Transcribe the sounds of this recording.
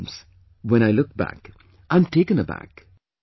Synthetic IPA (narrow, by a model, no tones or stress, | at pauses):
mz̥ | wɛ̃ɾ̃aɪlʊk̚b̥æ̰k | ʔãɪ̃mtʰeɪkɨ̃nəbæ̰k